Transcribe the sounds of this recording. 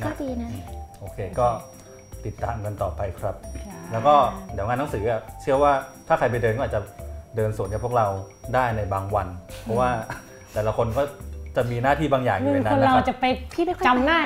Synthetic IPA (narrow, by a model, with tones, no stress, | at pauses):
na˥˩diː˧na˦˥˩ʔoː˧kʰeː˧kɔː˥˩ | t̪i˨˩t̪ːaː˧mka˧nt̪ɔː˨˩pa˧jkʰɾa˦˥p̚lɛː˦˥wkɔː˥˩di˨˩˦ŋaː˧nːa˦˥ŋsɯː˩˦ʔa˧˩t͡ɕʰɯ˥˩əwaː˥˩t̪ʰaː˥˩kʰɾa˧jp̬a˧jdɤː˧nkɔ˥˨a˨˩t͡ɕa˨˩dɤː˧nsu˨˩˦nka˨˩pʰu˥˩k̚ɾa˧w | daː˥˩jna˧jbaː˧ŋwa˧npʰɔ˦˥waː˥˩ | t̪ɛː˨˩la˦kʰo˧nkɔː˥˩t͡ɕa˨˩miː˧naː˥˩t̪ʰiː˥˩baː˧ŋjaː˨˩ŋ˨˧˨e˨˧˩nːa˦˧˥ɾa˥˧˦t͡ɕa˨˩pa˧jpʰiː˥˩a˥˩kʰt͡ɕa˧mnaː˥˩